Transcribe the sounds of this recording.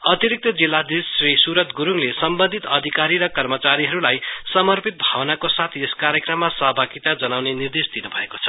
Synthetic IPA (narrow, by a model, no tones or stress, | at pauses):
ʌt̪iɾik̚t̪ʌd͡zilːad̪isrisuɾʌt̪ɡuɾuŋlesʌmbʌnd̪ʱit̪ʌd̪ʱikaɾiɾʌkʌrmʌt͡saɾiɦʌɾulajsʌmʌrpit̪̚bʱawnakosat̪ʰieskaɾjʌkrʌmːasʌɦʌbʱaɡit̪ad͡zʌnawnenird̪esd̪inubʱʌeko̥t͡sʰʌ̥